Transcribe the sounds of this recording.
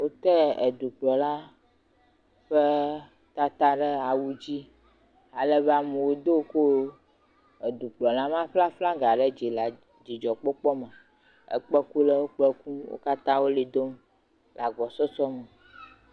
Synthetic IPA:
wo˦t̪ɛ˦ɛ˨d̪u˨k͡plɔ˨la˦ | ɸe˦ | t̪a˦t̪a˦ɖɛ˦a˨wu˦d͡ʑi˦ | a˨lɛ˦βa˨me˨wo˦d̪o˦ko˦ | e˨d̪u˨k͡plɔ˨la˦mã˦ɸla˦fla˦ɡa˨ɖɛ˦d͡ʒi˨la˨ | d͡ʒi˨d͡ʒɔ˨k͡pɔ˦k͡pɔ˦mɛ˨ | ḛ˨k͡pɛ˦ku˦lɛ˦wo˦k͡pɛ˦ku˦wo̰˦ka˦t̪ã˦wo˦li˨d̪o˦m | la˨ɡɔ˨sɔ˦sɔ˦me˨

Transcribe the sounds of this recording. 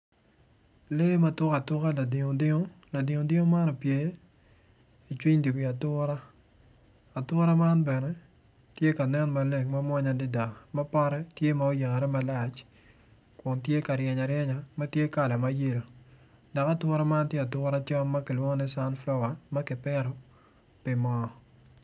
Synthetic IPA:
le˦ma˦tʊ˦ka˨tʊ˦ka˦la˨dɪ˨ŋo˨dɪ˦ŋo˦la˨dɪ˨ŋo˨dɪ˦o˦ma˦nɔ˨pje˦ | i˨t͡ʃwi˦ɲdu˨bi˨a˨tʊ˦ɾa˦ | a˨twʊ˦ɾa˦ma˦nbɛ˨nɛ˦tje˦ka˨nɛ˦nma˨le˨ŋma˦mwa˦ɲadɪ˦da˨ma˦pa˦ɾɛ˦tje˦ma˨o˦je˨ŋa˨ɾɛ˦ma˦la˨t͡ʃ | kwʊ˨ntje˦ka˨ɾjɛ˨ɲa˨ɾjɛ˦ɲa˨ma˦tje˦ka˨la˨ma˦je˦lo˨da˨ka˦twʊ˦ɾa˦ma˦ntje˦a˨tʊɾa˦t͡ʃa˦ma˦kɪ˨lwo˦ŋɔ˦nɛ˦sa˦nflɔ˦wa˨ma˦kɪ˨pɛ˦ɾɔ˨pi˨mɔ˨

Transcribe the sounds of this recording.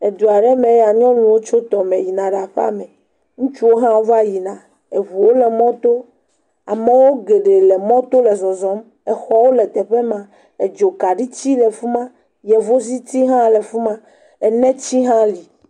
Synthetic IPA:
e˨d̪u˨a˨ɖɛ˦mẽ˨˦ja˨ɲɔ̃˦nũ˨wo˦t͡ʃo˦t̪ɔ˨mɛ̃˨ji˨nã˨ɖa˨ɸa̰˦mɛ̃˨ | ŋũ˦t͡ʃu˦wo˦ɦã˦wo˦va˦ji˨nã˨ | e˨βu˨wo˦lɛ˨mɔ̃˦t̪o˦ | a˨mɛ̃˦wo˦ɡe˨ɖe˨lɛ˨mɔ̃˦t̪o˦lɛ˨zɔ˨zɔ˦m | ɛ˨xɔ˦wo˦lɛ˨t̪ɛ˨ɸe˦mã˨ | e˨d͡ʒo˨ka˨ɖi˦t͡ɕi˦lɛ˨fu˦mã˦ | jɛ˨vo˦s̬i˦t̪i˦ɦã˦lɛ˨fu˦mã˦ | ɛ˨nɛ̃˦t͡ɕi˦ɦã˦li˨

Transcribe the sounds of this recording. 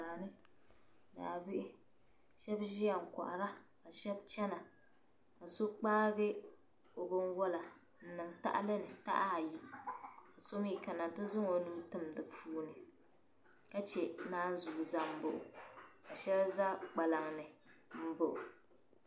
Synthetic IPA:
aː˨nɨ˦ | da̰ː˨bɪ˦ʔɪ˦ | ʃɛ˦bʒi˦a˨ŋ̩˨ka̰˨ʔa˨ɾa˦ka˨ʃɛ˦b̚t͡ʃɛ˦na˨ | ka˨so˦k͡paː˦ɡɛ˦ | o˨bʊ˦nwɔ˦la˨ | n̩˦nɨ˨ŋta̰˦ʔa̰˦lɨ˦nɨ˨ta̰˦ʔa˦a˨ji˦ka˨so˦m˦i˦ka˨na˨tɨ˦zʊ˦ŋo˨nu˦tɨ˦mdɨ˨pʰuː˦nɨ˨ | ka˦t͡ʃɛ˨naː˦n˦zu˨za˦m̩˨bʊ˨ʔʊ̰˨ka˨ʃɛ˦lza˦k͡pa˨la˨ŋnɨ˨m̩˦˨bʊ˨ʔʊ˨

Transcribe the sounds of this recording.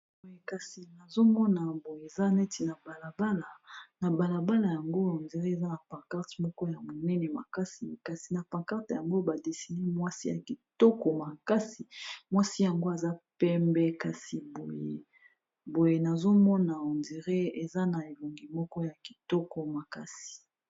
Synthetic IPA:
bo˨je˨ka˨si˨na˨zo˦mɔ˦na˨bo˨je˨e˨za˦ne˦ti˨na˨ba˨la˨ba˦la˨na˨ba˨la˨ba˦la˨ja˨ŋɡo˦o˨ndi˨ʁe˦e˨za˦na˨pã˨ka˦ʁtmɔ˦kɔ˦ja˨mo˨nɛ˦nɛ˨ma̰˨ka˦sḭ˨ka˨si˨na˨pã˨ka˦ʁtja˨ŋɡo˦ba˨de˨si˨ne˦mwa˦si˦ja̰˨ki˨tɔ˦kɔ˨ma˨ka˦si˨mwa˦si˦ja˨ŋɡo˦a˨za˦pɛ˦mbɛ˦ka˨si˨bo˨jḛ˨ | bo˨je˨na˨zo˦mɔ˦na˨o˨ndi˨ʁe˦e˨za˦na˨e˨lo˨ŋɡi˨mɔ˦kɔ˦ja˨ki̥˨tɔ˦kɔ˨ma˨ka˦si̥˨

